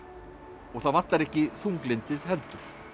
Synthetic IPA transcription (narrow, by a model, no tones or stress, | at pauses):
ɔɣθaðvan̥t̪aɾɛhcɪθuŋklɪnt̪ɪðɦɛɾt̪ʏɾ̥